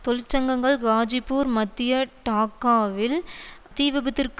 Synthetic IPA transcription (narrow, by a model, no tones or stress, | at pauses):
t̪ɔlɪt͡ʃːɐŋɡɐŋɡɐɭɡaːd͡ʒɪpːuːɾmɐt̪ːɪjɐʈaːkːaːʋɪlt̪iːʋɪbɐt̪ːɪrk